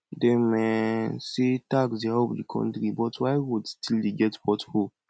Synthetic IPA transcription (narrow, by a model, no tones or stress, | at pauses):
demɛsetaksdehɔbdikʰɔ̰̃ntɾibɔtwajwudstildeɡɛtpɔtho